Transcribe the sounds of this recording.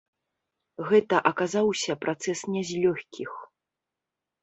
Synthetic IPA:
ɣɛt̪ɐʔɐkazawsʲɐpɾʔat̪sɛsnʲɛzʲlʲɔxʲkʲix

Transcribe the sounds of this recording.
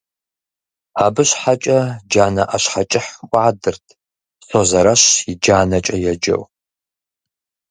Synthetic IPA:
aːbɨɕħat͡ʃʼɐd͡ʒaːnɐʔɐɕħat͡ʃʼɪħʔʷʼaːdɨrtʰ | soːzɐɾɐɕjɪd͡ʒaːnɐt͡ʃʼɐjɛd͡ʒɐ̰w

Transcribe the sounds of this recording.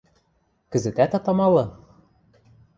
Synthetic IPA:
kɘ̆zɘ̆t̪æt̪ɑt̪ɑmɑlɤ̆

